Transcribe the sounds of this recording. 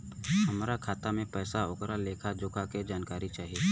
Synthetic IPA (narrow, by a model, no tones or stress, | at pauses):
ɦɐmɾakʰaːt̪amẽpɛːsaokɾaleːkʰad͡ʒʊkʰaked͡ʒaːnkaːɾit͡ʃaːɦieː